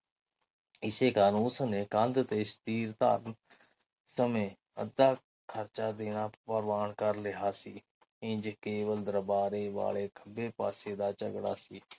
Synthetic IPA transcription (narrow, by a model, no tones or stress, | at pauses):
ɪseːkaːnũːsəneːkãnd̪t̪eːst̪iːɾt̪a̰ːɾ | səmẽ | ə̰d̪aː | kʰəɾt͡ʃaːd̪eːnaːpəɾʋaːɳkəɾlɪɦaːsiː | ɪ̃d͡ʒkeːʋəld̪əɾəbaːɾeːʋa̰ːleːkʰəbeːpa̰ːseːd̪aːt͡ʃəɡɽa̰ːsiː